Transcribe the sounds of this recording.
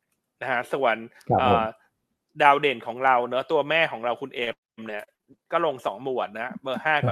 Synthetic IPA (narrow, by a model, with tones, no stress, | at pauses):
na˦˥kʰa˦˥su˨˩˦ən | ʔɤː˨˩ | daː˧wdeː˨˩nkʰɔː˩˦ŋɾa˧wnɯ˦˥t̪u˧ɐmɛː˥˩kʰɔː˩˦ŋɾa˧wkʰu˧nʔeː˧ | mni˥˩ɐ | kɔː˥˩lo˧ŋsɔ̰ː˩˦ŋmu˨˩ət̪̚na˦˥bɤː˧haː˥˩kɔ˨˩